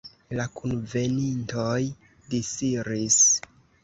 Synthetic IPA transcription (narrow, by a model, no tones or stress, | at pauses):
lakunve̞nintoj | disiɾis